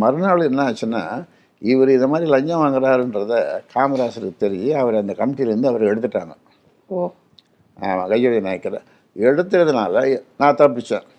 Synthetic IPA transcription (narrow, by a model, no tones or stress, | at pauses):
mɐɾɯnaːɭɯɛnːaːt͡ʃːɯnːa̰ː | ɪʋɐɾɯɪnd̪ɐmaːd̪ɾilɐɲd͡ʒɐ̃ʋaːŋɡɐɾaːɾɛndɾɐðɐkʰaːmɐɾaːsɐɾɯkːɯt̪ɛɾɪjeɐʋɐɾɐnd̪ɐkɐmɪʈːɪlɐɾɯnd̪ɯɐʋɐɾɛɽɯt̪ːɯʈːaːŋɡɐ | aːmã̰ːɡɐjɐʋɐjnɐːɐkːɐɾɐ̰ | ɛɽɯt̪ːɯɾɐðɯnaːlɐnãːt̪aːp̬ːɪt͡ʃːɛ̰̃ː